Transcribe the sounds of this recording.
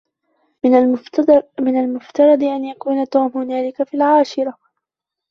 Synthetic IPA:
mɪnalmʊft̪ɑɾˤɑd̪ˤʔanjakuːnat̪uːmhʊnaːlɪkafiːlʕaːʃɪɾˤa

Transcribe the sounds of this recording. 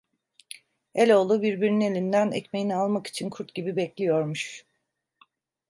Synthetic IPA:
elʲo̞lˠubiɾbiɾinine̞lʲind̪ænɛ̰cmejinialˠmaki̥t͡ʃʰinkʰuɾt̪ɟibibɛclʲijo̞ɾmuʃ

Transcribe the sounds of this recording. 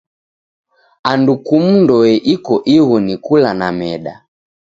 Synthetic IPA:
andukum̩ndɔɛʔikɔʔiɣɔnikulanamɛɗa̰

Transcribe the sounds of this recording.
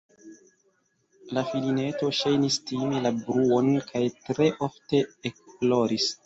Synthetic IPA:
lafiline̞to̞ʃajnistimelabɾuo̞nkʰajtɾe̞ʔo̞fte̞ːkplo̞ɾis

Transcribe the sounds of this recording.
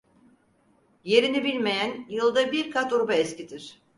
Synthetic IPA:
je̞ɾinibilʲme̞jænjɯlˠd̪abiɾkʰat̪uɾbaɛscid̪iɾ̥

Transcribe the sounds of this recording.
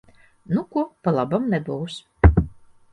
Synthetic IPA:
nukuɔpalˠabamnɛbuws

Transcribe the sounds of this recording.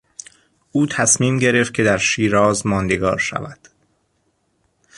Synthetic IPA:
ʔuːt̪ʰæsmiːmɟe̞ɾe̞ft̪̚cʰe̞d̪æɾʃiːɾɒːzmɒːnd̪eɡɒ̰ːɾʃæ̰væd̪̥

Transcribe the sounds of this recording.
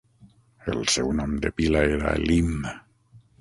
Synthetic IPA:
elsewnɔmd̪epilaeɾa̰elimnə

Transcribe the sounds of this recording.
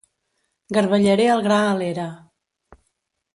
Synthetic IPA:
ɡəɾβəʎəɾeəlˠɣɾaəleɾə

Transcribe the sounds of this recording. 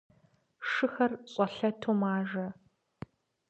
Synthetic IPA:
ʂɨxɐrɕʼɔɬɐtʰoːmaːʒɐ

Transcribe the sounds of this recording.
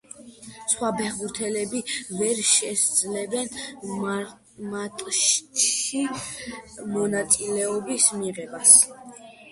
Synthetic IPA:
sχwabɛʁuɾt̪ʰɛlɛbivɛɾʃɛsd̪zlɛbɛn | mat̪ʼʃtʰʃi | mɔnat̪sʼilɛɔbismiʁɛbas

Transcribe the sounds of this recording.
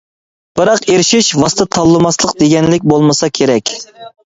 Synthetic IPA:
b̥ɨɾɑqeɾɪʃiʃvɑst̪ɨt̪ʰɑlˠːɨmɑslˠəqd̪eɡʲɛnlɪk̬̚ʲbolˠmɨsɑkʲʰeɾɛkʲ

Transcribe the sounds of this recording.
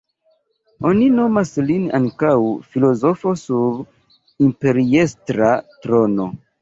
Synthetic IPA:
o̞nino̞maslina̰ŋkawfilo̞zofo̞sub | impe̞ɾiestɾatɾo̞no̞̰

